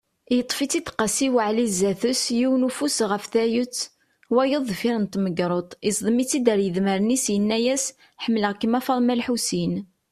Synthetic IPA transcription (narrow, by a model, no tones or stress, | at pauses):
jət̪ˤːfit͡sit̪qɑsiwəʕlizːæθəsjiwnufusʁəfθæjət͡sː | wæjəðˤfiɾənt̪məɡɾˤot̪ˤisˤðˤəmit͡sːid̪əɾjəðməɾənisjənːæjæs | ħəmːləʁkːəmæfɑðˤmælħusin